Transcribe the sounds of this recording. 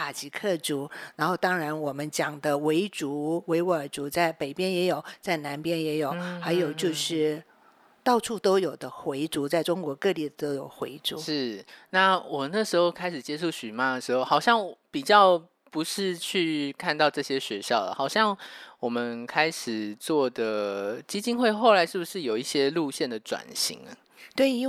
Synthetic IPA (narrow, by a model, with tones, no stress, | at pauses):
pʰa˨˩t͡ɕi˧˥kʰɤ˥˩ʈ͡ʂu˧˥˦na˧˥nxo˥˩ʊt̪ɑ˥ŋɻa˧˥nwɔ˨˩mə˦nt͡ɕjɑ˨˩ŋd̪ə˦we˧˥ɪʈ͡ʂu˧˥we˧˥ɪwə˞˨˩t͡su˧˥t͡sa˥˩ɪpe˨˩ɪpjɛ˥njɛ˧˥jo˨˩ʊt͡sa˥˩ɪna˧˥npjɛ˥njɛ˧˥jo˨˩ʊxa˧˥ɪjo˨˩ʊt͡ɕjo˥˧ʊʂɻ̩˥˩ | t̪ɑ˥˧ʊʈ͡ʂʰu˥˩t̪o˥ʊjo˨˩ʊd̪ə˦xwe˧˥ɪʈ͡ʂu˧˥t͡sa˥˩ɪʈ͡ʂʊ˥ŋkwɔ˧˥kɤ˥˧li˥˩d̪ə˩t̪o˥ʊjo˨˩ʊxwḛ˧˥ɪʈ͡ʂṵ˧˥˦ʂɻ̩˥˩na˥˩wɔ˨˩na˥˩ʂɻ̩˧˥xo˥˧ʊkʰa˥ɪʂ̩˨˩t͡ɕjɛ˥ʂʰu˥˩ɕy˨˩ma˦əʂɻ̩˧˥xo˥˩ʊxɑ˨˩ʊɕjɑ˥˩ŋ˨˩pi˨˩t͡ɕjɑ˥˩ʊ | pu˧˦ʂɻ̩˥˧t͡ɕʰy˥˧kʰa˥˧nt̪ɑ˥˧ʊʈ͡ʂɤ˥˩ɕjɛ˥ɕɥɛ˧˥ɕjɑ˥˩ʊd̪ə˩xɑ˨˩ʊɕjɑ˥˩ŋwɔ˨˩mə˦nkʰa˥ɪʂɻ̩˨˩t͡swɔ˥˩d̪ə˩t͡ɕi˥t͡ɕi˥˧nxwe˥˧ɪxo˥˩ʊla˧˥ɪʂɻ̩˥˩bu˨˩ʂɻ̩˥˩jo˨˩ʊi˥˩ɕjɛ˦lu˥˧ɕjɛ˥˩nd̪ə˩ʈ͡ʂwa̰˨˩nɕḭ˧˥ŋə˦ | t̪we˥˩˥